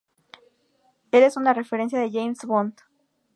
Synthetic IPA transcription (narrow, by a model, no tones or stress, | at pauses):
e̞le̞sunare̞feɾe̞ns̬jaðeʝejmsβont̪